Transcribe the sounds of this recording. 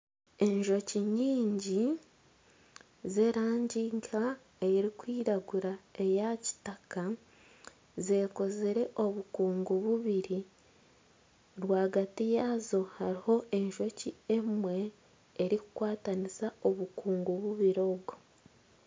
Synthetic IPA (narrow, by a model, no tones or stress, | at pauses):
e̞ɲʒo̞ciɲiːɲɟi | ze̞ɾaːɲɟiːŋkʰa | eeɾikwiːɾaɡuɾae̞jaci̥taka | ze̞ːko̞zeɾe̞ʔo̞βukuːŋɡuβuβiɾi | ɾwaːɡatijazo̞haɾiho̞e̞ɲʒo̞cie̞mwe̞ː | ɾiku̥kwaːtanisao̞βukuːŋɡuβuβiɾo̞ɡo